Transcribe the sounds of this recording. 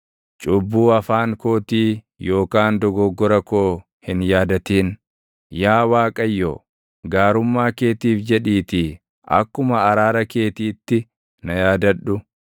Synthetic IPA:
t͡ʃʼʊbːuːɐfaːŋko̞ːt̪iː | jo̞ːkaːnd̪ɔɡɔɡːɔɾɐkoː | hɪnjaːd̪ɐt̪iːn | jaːwaːkʼɐjːo̰ː | ɡaːɾʊmːaːke̞ːt̪iːfd͡ʒɛᶑiːt̪i | ʔɐ̰kːʊmɐːɾaːɾɐke̞ːt̪iːt̪ːɪ | nɐjaːd̪ɐᶑʊ

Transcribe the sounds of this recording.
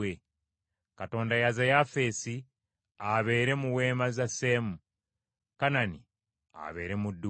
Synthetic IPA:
e | kato̞ːndajazajafe̞ːsi | aβe̞ːɾe̞muwe̞ːmazase̞ːmu | kanani | a̰βe̞̰ːɾe̞mudːu

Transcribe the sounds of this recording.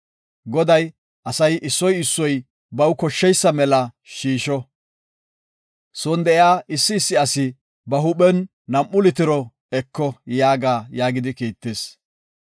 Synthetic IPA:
ɡɔd̪ɐj | ʔɐsɐjʔɪsːɔjɪsːɔj | bɐwkɔʃːɛjsːɐmɛlɐ | ʃiːʃɔ | soːnd̪ɛʔɪaːʔɪsːɪːsːɪɐsɪ | bɐɦʊɓɛnː | ɐmʔʊlɪt̪ɪɾɔ | ɛkːɔjaːɡaːjaːɡɪd̪ɪkiːt̪ːeːs

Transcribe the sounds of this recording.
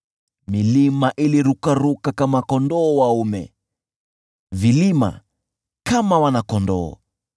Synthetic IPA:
milimaʔiliɾukaɾukakamakɔndɔːwaumɛ̰ | vilima̰ | kamawanakɔndɔ̰ː

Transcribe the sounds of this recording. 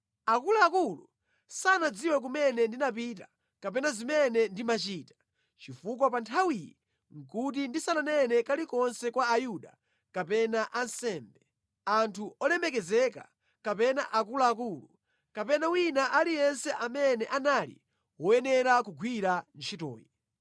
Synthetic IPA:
akulaːkulu | sanad͡ziwɛk̬umɛnɛndinapita | kapɛnazimɛnɛndimat͡ʃiːtḁ | t͡ʃifuk̬ɔpantʰawijɛ | ŋ̩kut̬indisananɛnɛkalikɔnsɛkwaːjuɗa̰ | kapɛnaʔansɛːmbɛ | antʰuɔlɛmɛkɛzɛka̰ | kapɛna̰ʔakulaːk̬uːlu | kapɛnawinaʔalijɛnsɛʔamɛnɛʔanalḭ | wɔjɛnɛɾakuɡʱwiɾant͡ʃʰitɔ̰ːji

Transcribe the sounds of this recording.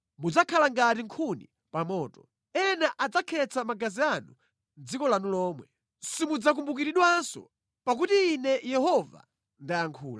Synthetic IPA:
mud͡zakʰalaŋɡatiŋkʰunḭ | pamɔːtɔ | ɛnaʔad͡zakʰɛt͡sʰamaɡazianu | nd͡zikɔlanulɔːmwɛ | simud͡zak̬umbukiɾiɗwansɔ̰ | pak̬utiːnɛjɛhɔva̰ | ndaaŋkʰṵːla

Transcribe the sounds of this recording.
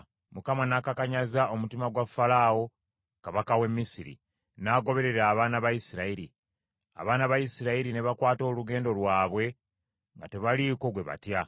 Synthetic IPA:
mukamanakakaɲazao̞mutimaɡwafːalaːo̞ | kaβakawe̞mːisiɾḭ | naːɡo̞βe̞ɾe̞ɾaːβaːnaβajisiɾaiɾi | a̰βaːnaβajisiɾaiɾine̞βakwaːto̞ːluɡe̞ːndo̞lwaːβwe̞ | ŋɡa̰te̞βaliko̞ɡwe̞βa̰tja

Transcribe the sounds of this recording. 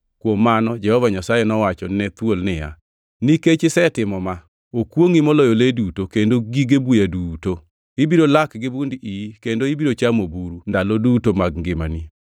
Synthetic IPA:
kwomːanɔd͡ʒɛhɔvaɲasajenɔwat͡ʃɔnɛt̪wolnɪja̰ | niket͡ʃɪsɛtɪmɔma | okwoŋimɔlɔjoledutokendoɡiɡebujaduːto | ibiɾolakɡɪbundikendoibiɾot͡ʃamobuɾundalodutomaɡŋɡɪma̰ni

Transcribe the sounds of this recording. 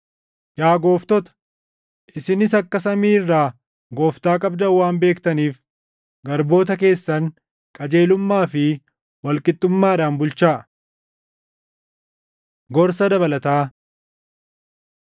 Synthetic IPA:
jaːɡo̞ːft̪ɔt̪ɐ̥ | ʔɪsɪnɪsɐkːɐsɐmiːrːaː | ɡoːft̪aːkʼɐbd̪ɐwːaːmbe̞ːkt̪ɐniːf | ɡɐɾbo̞ːt̪ɐke̞ːsːɐŋ | kʼɐd͡ʒe̞ːlʊmːaːfɪ | wɐlkʼɪt̪ʼːʊmːaːᶑaːnbʊlt͡ʃaː | ɡɔɾsɐd̪ɐbɐlɐt̪aː

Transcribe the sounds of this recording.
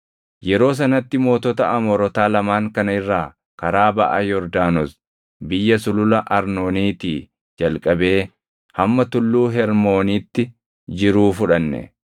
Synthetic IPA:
jɛɾo̞ːs̬ɐnɐt̪ːɪmo̞ːt̪ɔt̪ɐɐmɔɾɔt̪aːlɐmaːŋkɐnɐɪrːaː | kɐɾaːbɐ̰ʔa̰ːjɔɾd̪aːnɔs | bɪjːɐsʊlʊlɐʔɐɾno̞ːniːt̪iː | d͡ʒɐlkʼɐbe̞ː | hɐmːɐt̪ʊlːuːɦɛɾmo̞ːniːt̪ːɪ | d͡ʒɪɾuːfʊᶑɐnːɛ̰

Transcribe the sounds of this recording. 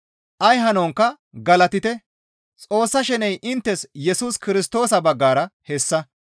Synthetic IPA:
ʔɐjɦɐnoːŋkːɐ | ɡɐlɐt̪ɪt̪ɛ | t͡sʼo̞ːsːɐʃɛnɛjʔɪnt̪ːɛsjɛsuːskɪɾɪst̪o̞ːsɐbɐɡːaːɾɐhɛsːɐ

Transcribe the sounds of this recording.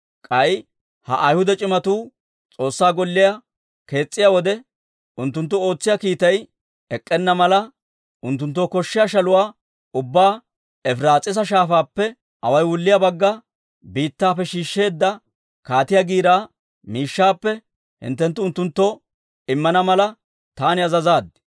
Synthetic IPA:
kʼɐj | hɐʔɐjhʊd̪ɛt͡ʃʼɪmɐt̪uː | t͡sʼo̞ːsːaːɡɔlːɪjɐ | ke̞ːt͡sʼːɪjaːwɔd̪ɛ | ʊnt̪ːʊnt̪ːʊo̞ːt͡sːɪjakiːt̪ɐj | ɛkʼːɛnːɐmɐlɐ | ʔʊnt̪ːʊnt̪̬ːoːkɔʃːɪjaʃɐlʊwaː | ʊbːaː | ɛfɾaːt͡sʼɪs̬ɐʃ̬aːfaːpːɛ | ʔɐ̰wɐjwʊlːɪjɐbɐɡːɐ | biːt̪ːaːfɛʃiːʃːe̞ːd̪ːɐ | kaːt̪ɪjaɡiːɾaː | miːʃːaːpːɛ | hɪ̰nt̪ːɛnt̪ːʊʊnt̪ːʊnt̪ːɔ | ɪmːɐnɐmɐlɐ | t̪aːnɪɐzɐzaːd̪ɪ

